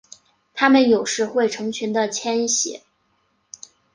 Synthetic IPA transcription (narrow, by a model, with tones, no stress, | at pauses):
t̪ʰa˥mə˨njo˨˩ʊʂɻ̩˥˧xwe˥˩ɪʈ͡ʂʰɤ˧˥ŋt͡ɕʰy˧˥nd̪ə˧t͡ɕʰjɛ˥nɕɛ̰˨˧˥